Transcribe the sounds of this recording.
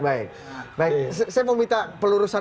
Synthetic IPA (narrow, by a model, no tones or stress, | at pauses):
baɪk̚ | baɪssajamomint̪apəluɾusa